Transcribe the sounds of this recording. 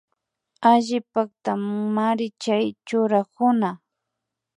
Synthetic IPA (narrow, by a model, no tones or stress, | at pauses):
aʒɪpakt̪ammaɾɪt͡ʃajt͡ʃʊɾakʊna